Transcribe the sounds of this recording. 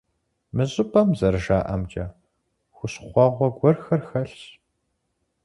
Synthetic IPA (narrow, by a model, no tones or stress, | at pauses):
mɨʑʼɨpʰʼɐmzɐɾʒaːʔɐmd͡ʒʼɐ | xʷʊɕχʷɑʁʷɔɡʷɔrxɐrxɐɬ